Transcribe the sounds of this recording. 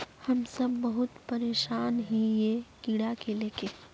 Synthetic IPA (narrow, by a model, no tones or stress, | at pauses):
hɐmsɐbːəɦʊt̪pɐɾeːʃaːnɦijekiɽakeleːke